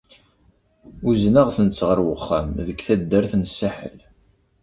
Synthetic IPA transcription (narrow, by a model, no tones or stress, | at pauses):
uznaʁθənət͡sːʁəɾwəχːæmðəɡθæd̪ːəɾθnəsːaħə̰l